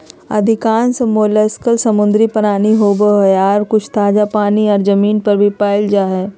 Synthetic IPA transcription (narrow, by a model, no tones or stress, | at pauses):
ɐ̰d̪ʱɪkaːnsemoːleskəlsɐmʊ̃nd̪ɾipɐnaːniɦoːboɦjaːɾkʊt͡ʃʰt̪aːd͡ʒapaːniɔːɾzɐmiːnpɐɾbʱipaːɪld͡ʒaːɦɛː